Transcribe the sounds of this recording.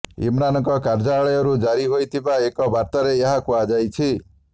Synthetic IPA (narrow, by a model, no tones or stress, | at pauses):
ḭmɾanɔŋkɔkaɾd͡ʒaɭɔjɔɾud͡ʒaɾiɦojt̪ʰibaekɔbaɾt̪aɾeeɦakuad͡ʒajt͡ʃʰi